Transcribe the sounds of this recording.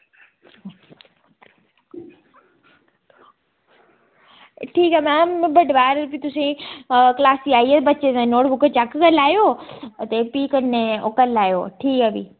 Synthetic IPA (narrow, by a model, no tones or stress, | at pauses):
ʈʰiːkamãmbɐɖʱbaːɾpit̪ʊsĩklaːsiaːiet̪bɐt͡ʃeẽnoːɽbʊkət͡ɕakkəlaːijoːt̪epiːkənːeokəlːaːjo̰ːʈʰiːkɐbḭː